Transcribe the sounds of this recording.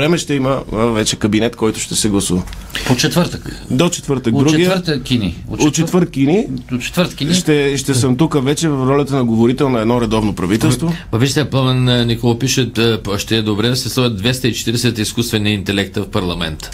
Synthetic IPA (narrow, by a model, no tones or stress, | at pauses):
ɾɛmɛʃt̪ɛiməvɛt͡ʃɛkɐbinɛt̪kɔjt̪ʊ̥ʃt̪ɛsɛɡlˠɐsuvəpot͡ʃɛt̪vəɾt̪əkd̪ot͡ʃɛ̥t̪vəɾt̪ək̚d̪ɾuɡɡij̪əɾt̪əkʲinio̰ot̪ːt͡ʃɛt̪vəɾt̪̚kinit͡ʃɛ̥t̪vəɾt̪kiʃʃt̪ɛʃt̪ɛsəmt̪ukəvɛt͡ʃɛvɐfɾɔlʲɐt̪ənɐɡovoɾit̪ɛlˠnɐɛd̪nɔɾɛd̪ɔvnopɾɐvit̪ɛlˠst̪vopɐviʒɛt̪ɛpˠamɛnnikɔlˠɐpiʃət̪ʃt̪ɛːd̪obɾɛd̪ɐsɛslˠɔəd̪̚d̪vɛst̪əit͡ʃɛ̥t̪iɾɛsɛt̪iskust̪vɛniint̪ɛlɛk̚t̪əfpɐɾlˠɐmɛnt̪ə̥